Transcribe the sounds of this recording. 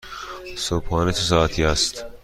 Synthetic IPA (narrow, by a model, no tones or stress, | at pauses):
sobhɒːnet̪ʰos̬ɒːæt̪ʰiːæst̪